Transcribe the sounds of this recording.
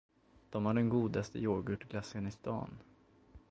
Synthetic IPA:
d̪̥ɔmhaɖɛnɡuːd̪ast̪ə̰joːɡɵʈːɡlasənɪst̪ɑ̰ːn

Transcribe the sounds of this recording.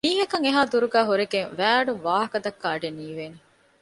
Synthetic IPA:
miːɦɐkɐŋeɦaːd̪uɾuɡæːɦuɾeɡeŋʋæːɐɖuʋaːɦɐkɐd̪ɐkːaːɖeniːʋeːne

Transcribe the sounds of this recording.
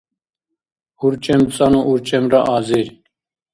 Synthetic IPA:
uɾt͡ɕemt͡sanoʔuɾt͡ɕemɾaʔaːziɾ

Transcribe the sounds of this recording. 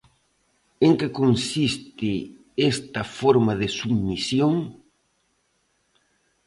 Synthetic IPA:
eŋkekonsist̪ɪ | est̪ɐfoɾmaðɪsubmisjoŋ

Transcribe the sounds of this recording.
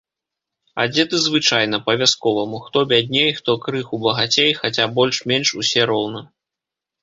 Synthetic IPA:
a̰d͡zʲɛt̪ɨzvɨt͡ʂajn̪ɐpɐvʲaskɔvɐmuxt̪ɔbʲad̪̚ʲnʲejxt̪ɔkɾɨxubɐɣat͡sʲejxat͡sʲabɔlʲʂmʲenʂusʲɛɾɔwnɐ

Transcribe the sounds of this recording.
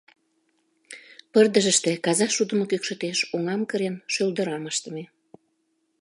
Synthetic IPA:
pərd̪əʒəʃt̪ĕkɑzɑʃud̪əmokykʃə̆t̪eʃoŋɑmkəɾenʃøld̪ə̆ɾɑməʃt̪ə̆me

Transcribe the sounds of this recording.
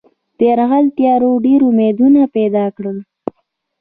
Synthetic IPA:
t̪eɾɣalt̪jɑɾoɖeɾʊmed̪unapɛd̪ɑkɽəl

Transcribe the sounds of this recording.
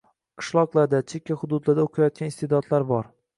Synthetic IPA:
qʰɨ̥ʃlˠɒqlˠaɾd̪at͡ʃʰekʲːahʊd̪ʊd̪laɾd̪aoqʰajɒt̪̚kʲanɪst̪ed̪ɒt̪laɾbɒɾ

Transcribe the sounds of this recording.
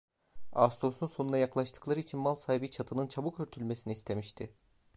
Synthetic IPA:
ast̪ʰo̞sunso̞nund̪ajaklˠaʃt̪ʰɯ̥klˠaɾɯit͡ʃʰinmalˠsaːɦibit͡ʃʰat̪ʰɯnɯnt͡ʃʰabukøɾt̪ʰylʲme̞sinist̪ʰe̞miʃt̪ʰɪ

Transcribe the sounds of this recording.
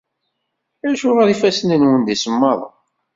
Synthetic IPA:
æɾʃʊʁɑɾifæsənənwənd̪isəmːɑðˤ

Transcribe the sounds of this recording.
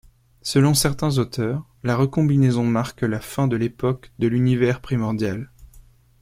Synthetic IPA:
səlɔ̃sɛʁt̪ɛ̃zot̪ʰœːʁ | laʁəkɔ̃binezɔ̃maʁklafɛ̃d̪əlepɔkd̪əlynivɛʁpχimɔʁd̪jal

